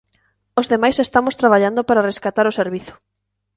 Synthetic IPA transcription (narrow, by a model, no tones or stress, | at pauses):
ozðemajsest̪amoʊst̪ɾaβ̞aʎand̪opaɾareskat̪aɾʊseɾβiθʊ̥